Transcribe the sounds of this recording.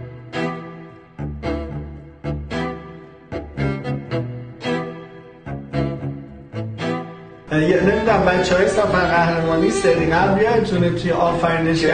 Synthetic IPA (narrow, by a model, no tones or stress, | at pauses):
jenemiːd̪æmbæt͡ʃʰɒːjest̪æfænɢæhɾemɒːniːseɾiŋæbijɒt̪ʰunet̪ʰujeʔɒːfæɾiːd̪eʃæ